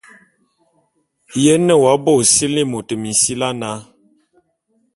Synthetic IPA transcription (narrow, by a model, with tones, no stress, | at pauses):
jɛ˦nə˦˨wa˨˦bɔ˦˨si˦li˦mo˨tə˨mi˨n˨si˦la˦na˨˦